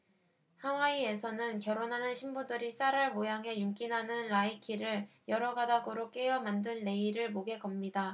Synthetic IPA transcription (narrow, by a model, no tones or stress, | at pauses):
haŋwaie̞sʰʌnɯnkjʌɾonɦanɯnɕʰimbudɯɾis͈aɾɯɭmojaŋɦe̞juŋk͈inɦanɯnɾaikʰiɾɯɭjʌɾʌɡadaɡoɾok͈e̞ʌmandɯnːe̞iɾɯɭmoɡe̞ɡʌmɲida